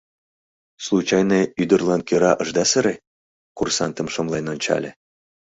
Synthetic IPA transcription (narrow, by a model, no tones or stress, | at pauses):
slˠut͡ɕɑjneyd̪ə̆rlˠɑnkʲøɾɑʔɤ̆ʒd̪ɑsəɾe | kursɑnt̪ə̆mʃomlˠɑjnonʲt͡ɕɑ̰lʲḛ̆